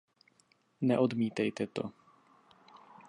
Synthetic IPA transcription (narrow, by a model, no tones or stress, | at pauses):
nɛʔodmiːt̪ɛjt̪ɛt̪o̰